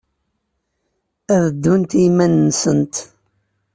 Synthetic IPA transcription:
æðəd̪ːunt̪imænːsənt̪

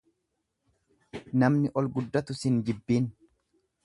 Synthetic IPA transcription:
nɐmnɪʔɔlɡʊd̪ːɐt̪ʊsɪnd͡ʒɪbːiːn

